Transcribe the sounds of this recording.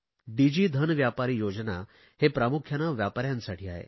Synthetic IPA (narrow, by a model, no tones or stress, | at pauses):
ɖid͡ʑiːd̪ʱənʋjapaɾiːjod͡ʑna | hepɾamukʰjanaʋjapaɾjãnsaʈʰiːa̰ɦḛ